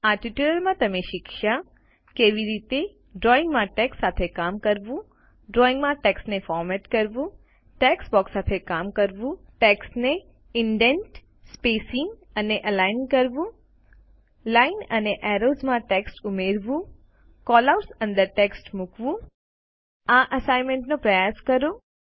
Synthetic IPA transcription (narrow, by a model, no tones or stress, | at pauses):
aʈiʈuləɾmãt̪əmeʃɪkʃa | keʋiɾit̪e | ɖɾɔĩŋɡmãʈɛkssat̪ʰekamkəɾʋũ | ɖɾɔĩŋɡmãʈeksʈnefɔɾmɛʈkəɾʋũ | ʈɛksbɔksat̪ʰekamkəɾʋũʈeksʈne | ɪɳɖenʈ | spesĩŋɡ | əneʔəlajnkəɾʋũ | lainəneʔɛɾozmãʈeksʈumeɾʋũ | kɔləɾsə̃nd̪əɾʈeksʈmukʋũ | ãʔəsajmẽɳʈnopɾəjaskəɾo